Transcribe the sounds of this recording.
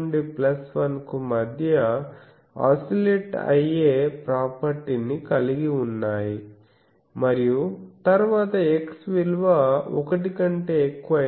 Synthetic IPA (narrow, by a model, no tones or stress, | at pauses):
ɳɖiplɐsʋɐnkumɐd̪ʱjɐ | a̰ːsileʈɐ̰jeːpɾaːpɐɾʈinikɐliɡiunːaːji | mɐɾijut̪ɐɾuʋaːt̪ɐeksʋilʋaːɔ̰kɐʈikɐɳʈe̞ːekːuʋɐ